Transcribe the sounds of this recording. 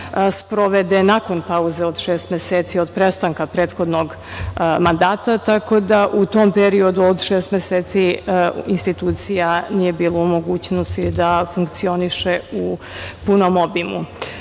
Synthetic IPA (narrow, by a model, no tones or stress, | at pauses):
spɾo̞ʋed̪enako̞npauzeod̪ʃeːst̪mʲeseːt̪siod̪pɾest̪aŋkapɾeːt̪xo̞d̪noɡ | mand̪aːt̪at̪ako̞d̪aʔut̪ompeɾio̞d̪uod̪ʃeːst̪mʲeseːt̪siinst̪it̪uːt̪sijanije̞biːlˠoumo̞ɡuːt͡ɕnost̪id̪afuŋkt̪sio̞niʃeu | punomobimṵ